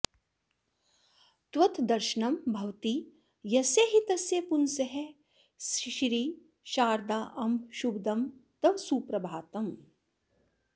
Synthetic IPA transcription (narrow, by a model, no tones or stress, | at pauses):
t̪ʋɐt̪d̪ɐɾʃɐnɐmbʱɐwt̪i | jɐseːɦit̪ɐsjeːpunsɐɦe | sʃɾiː | ʃaːɾd̪aːʔɐmʃubd̪ɐmt̪ɐʋsuːpɾɐbʱaːt̪ɐm